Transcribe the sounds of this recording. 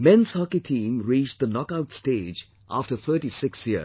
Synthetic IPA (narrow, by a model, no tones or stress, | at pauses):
mɛ̃nshɑkitʰĩːmɹit͡ʃd̪ənɔkaʊtsteːd͡ʒ | ʔa̰ftəθʰəːʈisɪksji